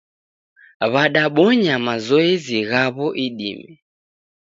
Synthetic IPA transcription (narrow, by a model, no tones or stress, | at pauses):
βaɗaɓɔɲamazɔɛziɣaβɔʔiɗḭmɛ